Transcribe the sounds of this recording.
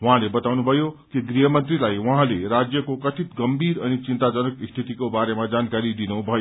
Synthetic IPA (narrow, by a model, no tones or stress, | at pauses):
wuɦãlebʌt̪awnubʱʌjokiɡriɦʌmʌnt̪rilajwuɦãleɾad͡zjʌkokʌt̪ʰit̪ɡʌmbʱiɾʌnit͡sint̪ad͡zʌnʌkst̪ʰit̪ikobaɾemad͡zankaɾid̪inubʱʌjo